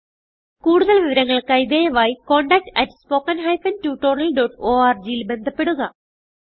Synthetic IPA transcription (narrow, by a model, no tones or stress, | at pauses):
kuːɽuðɐlʋiʋɐɾɐŋːɐɭkɐjd̪eːjɐʋaːjiko̞ːɳɖɐk̚ʈɐtspo̞ːkːɐnɦɐjfɐntuʈornɐlɖoːʈoːaːrd͡ʑijilbe̞nd̪ʱɐpːe̞ɽuɣɐ